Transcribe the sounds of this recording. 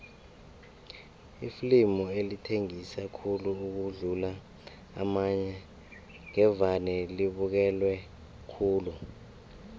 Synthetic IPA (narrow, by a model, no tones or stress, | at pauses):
iflimɔelitʰeŋisakʰuluuk̬uɮula | a̰maɲɛ | ŋɛvanɛliɓuk̬ɛlwɛ | kʰuːlu